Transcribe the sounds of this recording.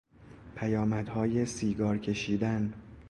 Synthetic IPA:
pʰæjɒːmæd̪hɒːje̞siːɡɒːɾcʰe̞ʃiːd̪æn

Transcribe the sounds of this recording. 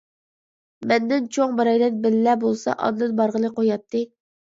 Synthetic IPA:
mɛnd̪ɪnt͡ʃʰoŋbɑɾɑjd̪ɛnbɪlːɛbolˠsɑ̰ʔɑ̰d̪d̪ɨnbɑɾʁəlˠɨqʰojɑt̪ʰːɨ

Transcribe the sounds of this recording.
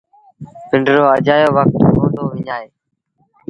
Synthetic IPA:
pɪɳɖɾoːəd͡ʒaːjoːʋək̚t̪ooːʈoːʋɪɲaːeː

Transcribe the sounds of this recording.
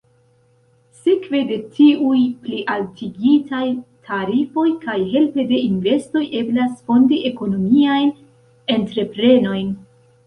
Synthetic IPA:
sikve̞de̞tʰiujpliʔaltiɡitʰajtʰaɾifo̞jkajɦe̞lpe̞de̞inve̞sto̞jʔe̞blasfo̞ndiʔe̞ko̞no̞miajn | e̞ntɾe̞pɾe̞no̞jn

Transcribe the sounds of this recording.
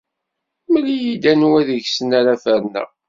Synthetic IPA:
mlijid̪ænwæðəʝsənaɾafəɾnæ̰

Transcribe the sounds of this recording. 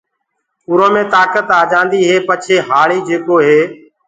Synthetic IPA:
ʊɾõːmẽːt̪aːkət̪aːd͡ʒãːnd̪iːɦeːpət͡ʃʰeːɦaːɭiːd͡ʒeːkoːɦeː

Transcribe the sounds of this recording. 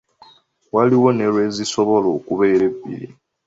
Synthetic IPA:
waliwo̞ne̞lwe̞ːziso̞βo̞loːkuβe̞ːɾe̞βːḭɾḭ

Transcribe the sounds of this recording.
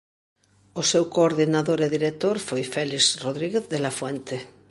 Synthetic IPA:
osewkoːɾðinaðoɾeðiɾek̚t̪oɾfojfɛlizroðɾiɣeθðelafwɛnt̪e

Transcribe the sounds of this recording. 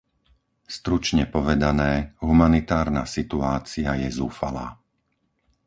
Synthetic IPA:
st̪ɾut͡ʃɲɛpɔʋɛd̪anɛːɦumanit̪aːɾnasit̪uaːt͡siajɛzuːfala̰ː

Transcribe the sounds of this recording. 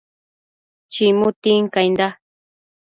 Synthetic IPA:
t͡ʃimʊt̪iŋkajnd̪a

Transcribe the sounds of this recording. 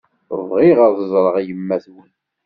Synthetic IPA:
vʁiʁəɾðəzˤɾˤəʁijəmːæθwən

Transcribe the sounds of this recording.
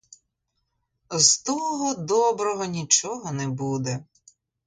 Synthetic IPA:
zt̪ɔɦɔd̪ɔbɾɔɦɔnʲit͡ʃɔɦɔnɛbud̪ɛ

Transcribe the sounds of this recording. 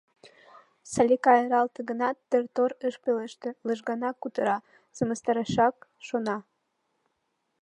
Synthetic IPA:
sɑlʲekɑeɾɑlt̪əɣənɑt̪ːərt̪oɾəʃpeleʃt̪ĕləʒɣɑnɑkːut̪əɾɑ | səməst̪ɑɾɑʃɑkʃonɑ

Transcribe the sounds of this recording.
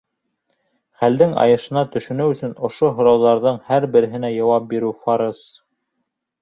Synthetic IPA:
χæld̪ɘŋɑ̰jɤ̆ʃɤ̆nɑt̪ɵ̆ʃɵ̆nɵwɵ̆sɵ̆nŏʃoɦŏɾɑwðɑɾðɤɴhæɾbɘ̆ɾɘ̆ɦɘ̆næjɑwɑp̚biɾʉfɑɾɤs

